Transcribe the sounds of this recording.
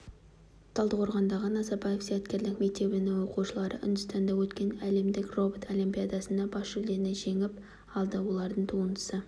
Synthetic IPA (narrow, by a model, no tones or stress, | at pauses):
t̪ʰɑlˠd̪əqʰoɾʁɑnd̪ɑʁənɑzɑɾbɑjefsijɑt̪kʲe̞ɾlɪkme̞k̚t̪e̞bɪnɪŋwo̞quʃəlˠɑɾə̰ʔʏ̰nd̪ʊst̪ɑnd̪ɑwɵt̪kʲe̞næle̞md̪ɪkro̞bot̪ʰolʲˠimpʲijad̪ɑsənd̪ɑbɑsʒʏld̪e̞ɾɪneʒe̞ŋɪp | ɑlˠd̪əwo̞lˠɑɾd̪əɴt̪ʰuənd̪ə̥sə